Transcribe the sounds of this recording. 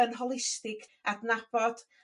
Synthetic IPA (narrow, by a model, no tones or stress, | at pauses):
ənɦɔlˠɪstɪɡʰadnab̥ɔd̥